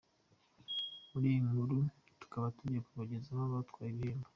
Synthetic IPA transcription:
muɾijiŋhuɾu | tu̥kaβatuɟiakuβaɟezaβaβatkwaːjiβieːmba

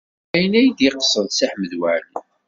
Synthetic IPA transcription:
æjənæjd̪iqəsˤːəðsaħməðwæʕl

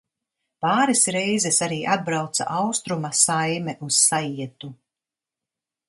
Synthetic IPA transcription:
paːɾɛsɾɛjzɛsaɾiːʔad̪̚bɾawt̪sa̰ʔawst̪ɾumasajmɛʔusːajiɛt̪u

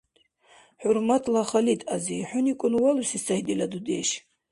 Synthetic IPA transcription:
ħuɾmat̪ʰlaχalit̪ʰʼaziħʊnikʼʊnwalusisahid̪ilad̪ud̪ḛʃ

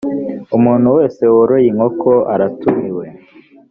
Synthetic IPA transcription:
umuːn̥huwe̞ːse̞woɾojiŋokʰoʔaɾatumiwe̞

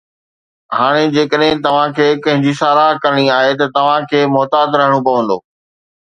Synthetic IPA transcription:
ɦaːɽ̃ed͡ʑeːkəɗɦɪ̃t̪ɐʋ̤ãkʰeːkɐ̃ɦɪ̃ɲd͡ʑisaːɾaːɦkɐɾəɽ̃iaːɦet̪ɐt̪ɐʋ̤ãkʰeːmɔːt̪aːd̪ɾɐɦəɽ̃õpɐʋə̃nd̪o̰ː

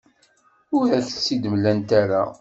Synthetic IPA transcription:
ʊɾæθə̥t͡sːid̪mlænt̪aɾa

